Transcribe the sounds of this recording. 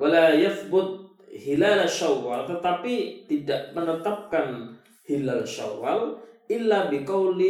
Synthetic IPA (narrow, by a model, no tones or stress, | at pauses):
walajaθbʊt̪̚ | hilalaʃawːalt̪ət̪apit̪idaʔmənət̪ap̚kan | hilalʃa̰walʔɪlːabikawli